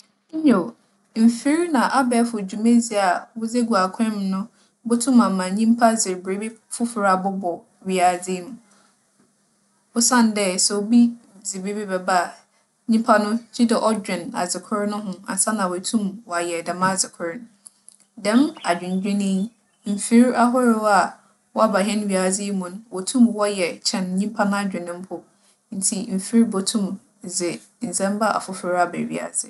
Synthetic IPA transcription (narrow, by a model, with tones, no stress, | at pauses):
ɲo˨ | m̩˨fi˦ɾnã˨ʔa˦bɛ˨˦fʊ˨d͡ʑᶣu˨mẽ˦d͡zi˨a˨wʊ˦d͡ze˦ɡu˨a˨kʰɛ̃˦mnʊ̃˦ | bʊ˦tʰũ˦mã˨mã˨ɲĩ˦m˦pʰa˦zɪ˨ɾbɾe˨˦be˦fʊ˦fʊ˨ɾa˨bʊ˦bɔ˨ | ɥi˨a˨d͡zɪ˦m˨˦ | ʊ˦sã˦n˨dɛ˦sɛ˨wo˦bi˦ | d͡zɪ˨be˦bi˦bɛ˨ba˦˨ | ɲĩ˦m˦pʰa˦nʊ̃˦d͡ʑi˦dɛ˨ʔɔ˦d͡ʑᶣɪ̃˨na̰˨zɪ˨kʰʊ˦ɾɪ˦nʊ̃˦ɦʊ̃˦a̰˨sa˦nã˨wæ˨tʰũ˦mwɔ˨a˨jɛ˨da˨mã˦˨d͡zɪ˨kʰʊ˦ɾɪ˦ñ˦ | dɛ̃˦ma˨d͡ʑᶣɪ̃˨ɲ˨d͡ʑᶣɪ̃˦nɪ̃˦ | m̩˨fi˦ɾa˦ɦɔ˦ɾɪ˦wa˨ | wɔ˦a˦ba˨ɦɛ̃˦n˦ɥi˨a˨d͡zɪ˦mũ˨n˦wɔ˨tʰũ˦mwɔ˦jɛ˨t͡ɕʰɛ̃˦˨nɲĩ˦mpʰa˦nʊ̃˦a˦d͡ʑᶣɪ̃˨nɪ̃˦m̩˦pʰʊ˦ | n̩˦tʰi˨m̩˨fi˦ɾbo˨tʰũ˦˨m | zɪ˨ | n̩˨zɛ̃˦m˦ba˦ʔa̰˨fʊ˦fɪ˨ɾa˨bɛ̰˨ɥḭ˨a̰˨zɪ̰˦